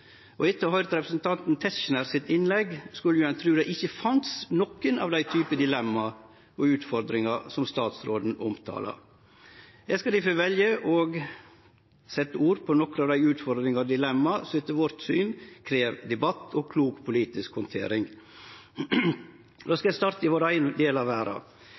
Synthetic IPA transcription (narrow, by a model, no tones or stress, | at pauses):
ʔɔɪt̪ːəhɑʏɾət̪ɾɛpɾəsn̩t̪ʰɑnt̪n̩t̪ʰɛsʃnəɾsɪt̪ɪnlɛɡskʉlːəjʉɛnt̪ʰɾʉːd̪æɪɪçːəfɑnt̪snɔkːənɑ̰ʋd̪æɪt̪ʰyːpəd̪ɪlɛmːɑ | ɔʉːt̪fɔɾd̪ɾɪŋɑsɔmst̪ɑːt̪sɾoːd̪n̩ɔmt̪ʰɑ̰ːlɑ̰ | jæɪskɑd̪ɪfɔʋɛljəʔɔɡ | sɛt̪ːəuːɾpʰɔnɔkːənɑːʋd̪æɪʉːt̪fɔɾd̪ɾɪŋɑd̪ɪlɛmːɑsɔʋiːt̪ːəʋɔɾt̪syːnkʰɾeːʋd̪ɛbɑt̪ːɔkʰluːkpʰʊliːt̪ɪskhɔnt̪ʰḛːɾɪŋ | d̪oːskɑjæɪst̪ɑɾt̪əɪʋoːɾæɪnd̪eːlɑʋæːɾɑ̰